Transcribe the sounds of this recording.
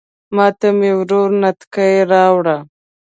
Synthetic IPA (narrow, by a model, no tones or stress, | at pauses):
mɑːt̪amewɾoɾnat̪kaeɾɑːwɽa